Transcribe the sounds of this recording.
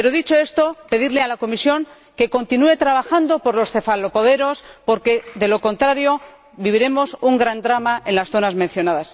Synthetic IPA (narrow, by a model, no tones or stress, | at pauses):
peɾo̞ðit͡ʃo̞est̪o̞pe̞ðiɾle̞alako̞misjo̞ŋ | ke̞ko̞nt̪inue̞t̪ɾaβ̞axand̪o̞po̞ɾlo̞sθe̞falo̞po̞ðe̞ɾo̞spo̞ɾke̞ðe̞lo̞ko̞nt̪ɾaɾjo̞ | βiβ̞iɾe̞mo̞suŋɡɾand̪ɾamaʔe̞nlasθo̞nazmẽ̞n̟θjo̞naðas